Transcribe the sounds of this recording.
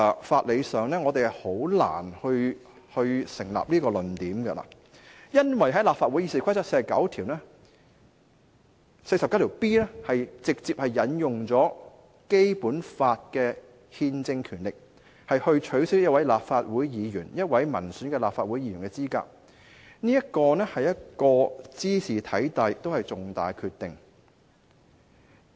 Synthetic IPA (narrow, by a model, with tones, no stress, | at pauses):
faː˧t̚le˨˧jsœː˨ŋnɛː˥ŋɔː˨˧t̪e˨jhɐ˨jho˨˥wla̰ː˨˩nhɵ˧ɥ | hɵ˧ɥsɪ˨˩ŋla̰ː˨p̚liː˥kɔː˧lɵ˨˩nt̪iː˨˥mɡɛ˧la̰ː˨˩ | jɐ˥nwɐ˨jɦɐ˨˥jlaː˨pfaː˧t̚wu˨˥jiː˧˥si˨˥kʰʷɐ˥jt͡sɐ˥tse˧jsɐ˨˩kɐ̰˨˥wt̪ʰiː˨˩wnɛː˥ | se˧jsɐ˨p̚kɐ˦˥t̪ʰi˨˩wpiː˥nɛ˥hɐ˨jt͡sɪ˨k̚t͡siː˧˨p̚hɐ˨jːɐ˨˥njʊ˨ŋt͡sɔː˨˥ | ke˥jpuː˨˥nfaː˧t̚kɛː˧ | hiː˧nt͡sɪ˧ŋkʰyː˨˩nlɪ˨k̚ | hɐ˨jhɵ˧ɥt͡ʃʰɵ˨˥ɥsɪ˥k̚jt̚wɐ˨˥jlaː˨p̚faː˧t̚wuː˨˥jjiː˨˧jyː˨˩njɐ˥t̚wɐ˨˥jmɐ̰˨˩nsyː˨˥nkɛː˧laː˨pfaː˧t̚wuː˨˥ji˧jy̰ː˨˩nkɛ˧t͡siː˥ka̰ː˧k̚ | niː˥jɐ˥t̚kɔː˧nɛː˥hɐ˨jɐ˥t̚kɔː˧t͡siː˥sʰiː˨t̪ʰɐ˨˥jt̪ɐ˨˧jt̪o˥whɐ˨jt͡sʊ˨ŋt̪a̰ː˨˩jkʰyː˧t̪ɪ˨ŋ